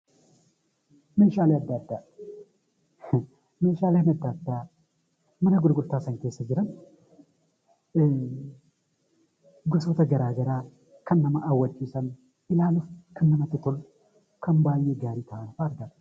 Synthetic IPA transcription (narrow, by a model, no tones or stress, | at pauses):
meʃalajad̪ːaːd̪ːa | meʃalajməd̪ːaːd̪ːa | mɨnəɡʊd̪ɡʊlt̪ʰasɐŋt̪ʰesɐd͡ʒɪɾɐn | ɡosot̪ʰɐɡɐɾaɡɐɾa | kʰɐnːɐmaʔːwɐt͡ʃʼːisɐn | ɪlaːlufkʰɨmːɨnɐt̪ːɨt̪ʰol | kʰɐmbaːjeɡaːɾit̪ʰɐwanfaːɾɡat̪ʼ